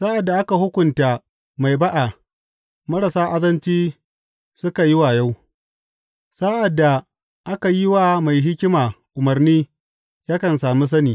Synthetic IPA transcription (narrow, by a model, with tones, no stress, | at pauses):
sa˦ʔa˨dːa˨ʔa˦ka˨ɦʊ˦kʷʊ˨nta˨ | ma˨jba˦ʔa˨ | mɐ˦ɽɐ˨saː˦ʔa˦dɐ˦nt͡ʃiː˦ | sʊ˦ka˨ji˦waː˨ja˦w | sa˦ʔa˨dːa˨ | ʔa˦ka˨jɪ˦waː˨ma˨jɦɪ˦kʲɪ˦maː˨ʔʊ˨mɐ˨rniː˦ | jaː˦kɐ˨nsaː˨mi˦s̬ɐ˦niː˨